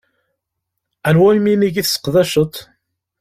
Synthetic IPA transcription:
ænwæjminiʝiθsːə̥qðæʃət̪ˤ

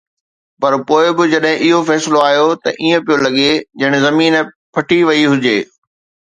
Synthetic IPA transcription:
pɐɾpoːɪbɪd͡ʑɐɗɦɪ̃ʔɪɦofɛːsɪloaːɦjot̪ɐʔiːẽpijolɐɠed͡ʑɐɪɽ̃ɪ̆zɐmiːn | pʰɐʈʰiʋɐiɦʊd͡ʑeː

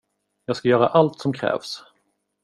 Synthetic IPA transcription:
jɑːɡskajœːɾa̰ʔalt̪sɔmkʰɾɛ̰ːvs

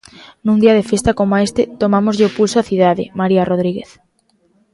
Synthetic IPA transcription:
nũnd̪iað̞efest̪akomoaest̪et̪omamozʎɪopulsoaθiðaðḛmaɾiaroð̞ɾiɣeθ

